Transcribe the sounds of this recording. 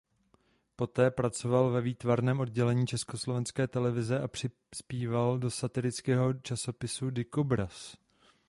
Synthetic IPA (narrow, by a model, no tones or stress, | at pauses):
po̞t̪ɛːpɾat͡so̞valvɛviːt̪vaɾnɛːmʔo̞d̚ɟɛlɛɲiːt͡ʃɛsko̞slo̞vɛnskɛːt̪ɛlɛvɪzɛʔapr̥ɪ | spiːvaldo̞sat̪ɪlɪt͡skɛːɦo̞t͡ʃaso̞pɪsudɪkobɾas